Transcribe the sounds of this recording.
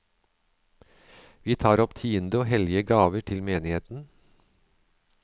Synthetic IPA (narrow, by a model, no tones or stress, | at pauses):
ʋiːt̪ʰɑːɾɔpt̪ʰiːənd̪əoːɦɛlɪəɡɑːʋəʈʰɪlmeːnɪheːt̪n̩